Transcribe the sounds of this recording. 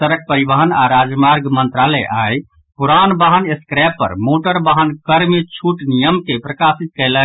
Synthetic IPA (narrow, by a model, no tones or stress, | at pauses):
əɾək̚pəɾibəɦənaɾad͡ʒmaɾɡmənt̪ɾalɛʔaj | puɾanbaɦəneskɾɛpːə̰ɾmoʈəɾbaɦənkəɾmet͡ʃʰuʈnijəmkepɾəkasit̪̚kələ